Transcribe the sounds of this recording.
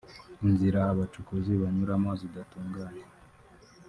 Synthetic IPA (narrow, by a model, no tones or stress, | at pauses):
inziɾaːβat͡ʃukuziβaɲuɾamazidatuːŋɡaːɲe